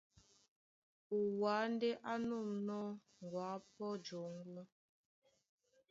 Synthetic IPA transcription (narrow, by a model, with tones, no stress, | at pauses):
u˨wa˨˦n˦de˦ʔa˦nu˦˨mnɔ˦ | ŋ˨ɡwaː˨˦pɔ˦d͡ʒo˨˦ŋlɔ˦